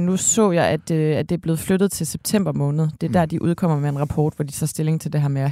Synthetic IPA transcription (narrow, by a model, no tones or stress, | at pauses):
nusɔ̰̽ːjɑ̈ɪʔæd̥æd̥e̝ɐb̥le̝ːð̩ˠflød̥ð̩ˠt͡sʰe̝lseb̥̚t͡sʰem̰b̥ɐmɔ̽ːnð̞̩ˠd̥e̝æɐd̥æɐd̥iʔuð̞ˠkʰɒ̽m̰ɐmee̝nʁɑ̈pʰɒːd̥ʋɒd̥isʰɑ̰sd̥e̝le̝ŋt͡sʰe̝ld̥e̝ɦæɐmeæ